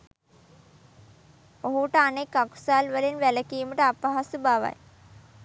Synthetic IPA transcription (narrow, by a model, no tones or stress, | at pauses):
oɦuʈəanekːaku̥saːlʋəlenʋæləkiːməʈəapaɦasubaʋa̰j